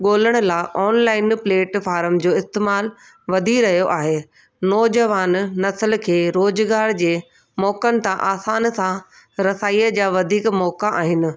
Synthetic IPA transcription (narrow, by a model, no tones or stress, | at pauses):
ɠoːləɽ̃ʊ̆laːʔɔːnlaːɪnpleːʈfaːɾəmd͡ʑoːɪst̪eːmaːl | ʋɐd̪ʱiɾɐɦijoʔaːɦeː | nɔːd͡ʑɐʋaːnːɐsəlkʰeːɾoːzɡaːɽd͡ʑeː | mɔːkənɪ̆t̪ãʔaːsaːnsã | ɾɐsaːiːəd͡ʑaːʋɐd̪ʱiːkmɔːkaʔaːɦɪnɪ̆